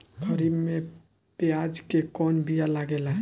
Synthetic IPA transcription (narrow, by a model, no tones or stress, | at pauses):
kʰəɾibme | pejad͡ʒkekɔnbijalaɡelaɦ